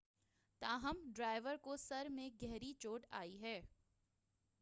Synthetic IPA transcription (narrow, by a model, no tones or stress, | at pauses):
t̪aːɦəmɖɾaːɪʋəɾkosɐɾmẽɡɛɦɾit͡ʃoːʈa̰ːiɦɛː